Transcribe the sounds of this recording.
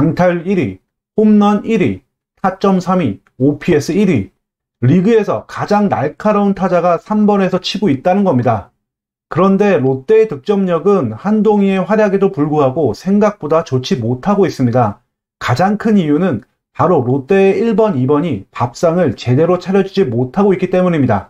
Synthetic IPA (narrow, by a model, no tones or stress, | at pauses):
aŋtʰaɭiɾi | homnʌniɾi | tʰat͡ɕ͈ʌmsʰami | opʰie̞sʰɯiɾi | ɾiɡɯe̞sʰʌ̰kad͡ʑaŋna̰ɭkʰaɾauntʰad͡ʑaɡasʰambʌne̞sʰʌt͡ɕʰiɡoit̚t͈anɯnɡʌmɲida | kɯɾʌnde̞ɾot͈e̞ːtɯk̚t͡ɕ͈ʌmɲʌɡɯnhandoŋie̞ɸwaɾjaɡedopuɭɡuɦaɡosʰe̞ŋɡak̚p͈odat͡ɕot͡ɕʰimotʰaɡois͈ɯmɲida | kad͡ʑaŋkʰɯnijunɯn | paɾoɾot͈e̞ːiɭbʌnibʌɲipap̚s͈aŋɯɭt͡ɕe̞de̞ɾot͡ɕʰaɾjʌd͡ʑud͡ʑimotʰaɡoik͈it͈e̞muɲimɲida̰